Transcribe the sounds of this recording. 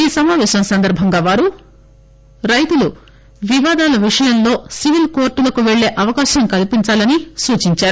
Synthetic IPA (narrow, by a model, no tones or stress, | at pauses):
iːsɐmaːʋɛːʃɐmsɐnd̪ɐɾbʱɐŋɡaːʋaːɾu | ɾɐjt̪ulu | ʋiʋaːd̪aːlɐʋiʂɐjɐnlo̞ːsiʋilkoːɾʈːulɐkuʋeɭːe̞ːʔɐʋɐkaːʃɐŋkɐlipiɲt͡ʃaːlɐnisuːt͡ʃiɲt͡ʃaːɾu